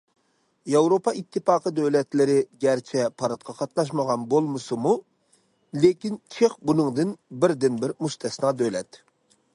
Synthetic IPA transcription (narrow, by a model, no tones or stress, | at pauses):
jɑwɾopɑʔit̪ʰːɨfɑːqəd̪øwlɛt̪lɪɾɪɡʲæɾt͡ʃʰɛpʰɑɾɑt̪̚qʰɑqʰɑt̪̚nɑʃ̬məʁɑnbolˠmɨsɨmu | lekʲint͡ʃʰeχbunɨŋd̪ɨnbɪɾd̪ɪnbɪɾmuʃt̪ʰɛsnɑd̪ølɛ̰t̪